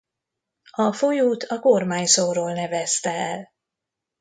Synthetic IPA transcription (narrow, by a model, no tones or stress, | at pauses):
ɒfo̞juːt̪ʰɒkormaːɲsoːɾoːlnɛvɛst̪ɛɛl